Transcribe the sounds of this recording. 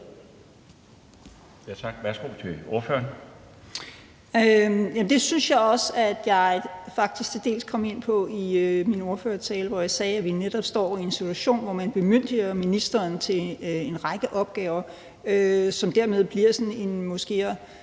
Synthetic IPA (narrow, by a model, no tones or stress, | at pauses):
jæt͡sʰɑ̈ɡ̥ʋæɐsɡ̥o̝̰t͡sʰe̝oɐfø̰ːɐn | øjæmd̥e̝synsjɑ̈ɪɒ̽sæd̥jɑ̈ɪfɑ̈ɡ̥̚d̥isɡ̥̚t͡sʰe̝d̥e̝̰ːlskʰɒ̽me̝n̰pʰɒ̽iømino̝ɐføːɐt͡sʰɛːləʋɒjɑ̈ɪsɛːæʋineɾ̥ɒ̽b̥sd̥ɒ̰ːie̝nsit͡sʰuæɕo̝̰ːnʋɒmænb̥e̝møn̰d̥iɐminisd̥ɐːnt͡sʰe̝e̝nʁɑ̈ɪɡ̥əʔɒ̽b̥ɡ̥ɛːʊɐ | øsɒ̽md̥æɐ̰með̞ˠb̥liɐ̰sɒ̽ne̝nmɔ̽sɡ̥e̝̰ː